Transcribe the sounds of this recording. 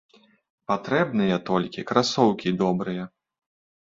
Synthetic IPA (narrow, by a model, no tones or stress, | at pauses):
pat̪ɾɛbnɨjɐt̪ɔlʲkʲikɾasɔwkʲid̪ɔbɾɨjɐ